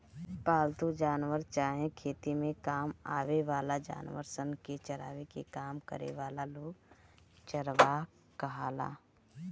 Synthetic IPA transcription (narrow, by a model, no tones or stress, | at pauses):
paːlt̪ud͡ʒaːnʋəɾt͡ʃaːɦẽkʰeːt̪imẽkaːma̰ːʋeʋaːlad͡ʒa̰ːnʋə̰ɾsənket͡ʃəɾa̰ːʋekḛkaːmkə̰ɾḛʋaːlaloːɡt͡ʃəɾʋa | kəɦaːla̰ː